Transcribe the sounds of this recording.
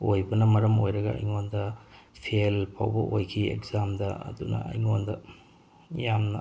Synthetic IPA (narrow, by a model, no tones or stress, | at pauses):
ojbɐnɐmɐɾɐmojɾɐɡɐɐ̰jŋondɐ | pʰielpʰa̰wbɐʔojkʰiḛkzamdɐɐ̰dunɐ̰ɐ̰jŋondɐ | jamnɐ̰